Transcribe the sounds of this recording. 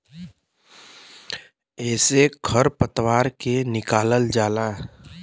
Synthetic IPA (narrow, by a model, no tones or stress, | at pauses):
ɛːsekʰəɾpət̪waːɾkenɪkaːləld͡ʒaːlaː